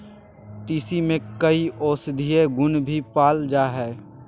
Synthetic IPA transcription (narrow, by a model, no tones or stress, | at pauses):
ʈiːsimẽkəiʔoːsd̪ʱijeɡʊnbʱipaːld͡ʒaːɦɛː